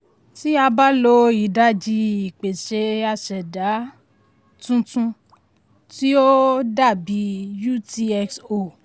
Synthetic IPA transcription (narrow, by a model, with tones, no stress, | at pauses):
ti˦a˧ba˦lo˧i˨da˦d͡ʒi˧i˨k͡pe˨ʃe˧a˧˨ʃɛ˨da˨˦ | tũ˦tũ˧ | ti˦o˦da˦˨bi˨˦ju˦˨ti˧ɛ˧kso˧˨